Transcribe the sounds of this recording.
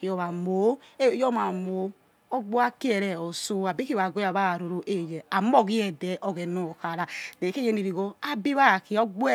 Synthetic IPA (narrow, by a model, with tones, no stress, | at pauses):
i˨ɔ˨βa˨mo˨˦e˦jɔ˦ma˨mo˨˦ | ɔ˦ɡ͡bo˦a˦ki˦ɛ˨ɾɛ˨o˨so˦a˨bi˦ki˦βa˨ɡo˦a˨βa˦˨ɾo˨ɾo˦ʔe˦˨jɛ˨a˨m˦ɔ˦˨ɣi˦ɛ˨dɛ˨ʔɔ˦ɣɛ˨nɔ˨xa˨ɾa˨dɛ˨ke˦je˦ni˨ɾi˨ɡo˦a˨˦bi˦βa˦˨ki˨ɔ˦ɡ͡bo˦ɛ˦